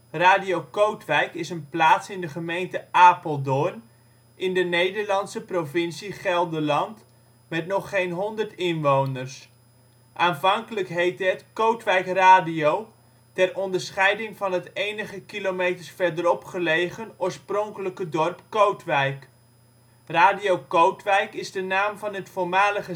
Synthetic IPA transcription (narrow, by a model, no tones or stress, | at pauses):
raːdiokowtʋɛjkɪsənplaːtsɪndəχəmejntəʔaːpəlˠdʊn | ɪndənejdəɹlɑnsəprovɪnsiχɛlˠdəlɑnt | mɛtnɔχːejnɦɔndərtɪnʋownərs | ʔaːnvɑŋkələkɦejtətkowtʋɛjkraːdiow | tɛrɔndəɹsχɛjdɪŋvɑnɦətejnəχəkilomejtəɹsfɛɹdəɾɔpχəlejχənoːɹsprɔŋkələkədɔrpkowtʋɛjk | raːdiowkowtʋɛjkɪzdənaːmvɑnətfʊɹmaːləχə